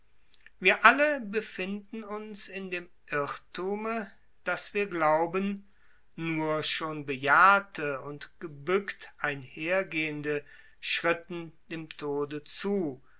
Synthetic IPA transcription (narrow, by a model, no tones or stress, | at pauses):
viːɐʔaləbəfɪndn̩ʊnsɪndeːmʔɪtʰuːmə | d̥asv̥iːɐɡlaʊbənː | uːɐʃoːnbəjaːɐtʰəʊntɡ̥əbʏktʔaɪnheːɐɡeːəndə | ʃʁ̥ɪtn̩d̥eːmtʰoːdət͡suː